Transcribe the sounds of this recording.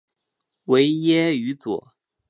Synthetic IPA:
we˧˥ɪjɛ˥y˧˥t͡swɔ̰˨˩˦

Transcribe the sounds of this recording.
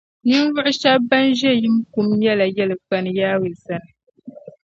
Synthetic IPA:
ni˦n˦vʊ˦ʔʊ˦ʃa˦ba˦nʒɛ˦ji˦mku˦mjɛ˦la˨jɛ˦lɨ˨k͡pa˦nɨ˨jaː˦wɨ˨za˦nɨ˨

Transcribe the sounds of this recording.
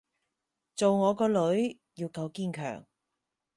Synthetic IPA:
t͡so˨wŋɔː˨˧kɔː˧lɵ˨˥ɥ | jiː˧wkɐ˧wkiː˥nkʰœ̰ː˨˩ŋ

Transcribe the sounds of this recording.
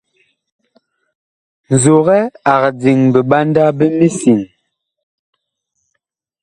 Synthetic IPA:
n̩˨zo˨ɣɛ˦a˨ɣd͡zi˨ŋbə˨ɓa˦nda˦bə˦mi˦si˨ŋ

